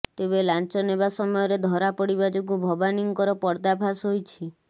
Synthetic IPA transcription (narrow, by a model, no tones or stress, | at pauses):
t̪eβelant͡ʃɔnebasɔmɔjɔɾed̪ʱɔɾapɔɽibad͡ʒoɡubʱɔbaniŋkɔɾɔpɔɾd̪apʰasɦojt͡ʃʰi